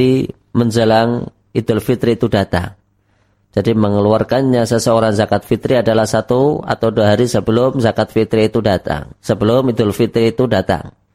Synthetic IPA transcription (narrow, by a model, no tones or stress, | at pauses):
i | məɲd͡ʒəlaŋ | id̪ʊlfit̪ɾiːt̪udat̪a̰ŋ | d͡ʒadiməŋəluarkanɲasəsəoɾaŋzakat̪̚fit̪ɾiadalahsat̪ua̰t̪awduaɦaɾisəbəlʊmzakat̪̚fit̪ɾiːt̪udat̪a̰ŋsəbəlʊmid̪ʊlfit̪ɾiːt̪udat̪a̰ŋ